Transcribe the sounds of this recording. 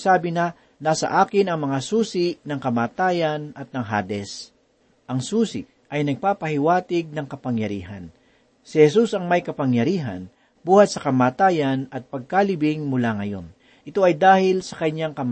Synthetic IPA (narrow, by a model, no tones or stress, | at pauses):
saːbɪnɐ | naːsɐ̰ʔaːkɪnɐŋmɐŋasuːsɪnɐŋkɐmaːt̪aːjɐnɐt̪̚nɐŋɦa̰ːd̪ɛs | ʔɐŋsuːsɪ̰ | ʔɐjnɐɡ̚paːpɐhɪwaːt̪ɪɡ̚nɐŋkɐpɐŋjɐɾḭːɦɐn | sɪhɛsusɐŋmɐjkɐpɐŋjɐɾiːɦɐ̰n | buːhɐt̪̚sɐkɐmaːt̪aːjɐnɐt̪̚pɐɡ̚kalɪbɪŋmʊlaŋɐjo̞̰n | ʔɪt̪o̞ʔɐjd̪aːhɪlsɐ̥kɐɲaŋkɐm